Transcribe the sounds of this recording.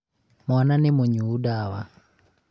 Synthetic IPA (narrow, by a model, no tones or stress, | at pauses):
mɔnanɪmoɲuːdawa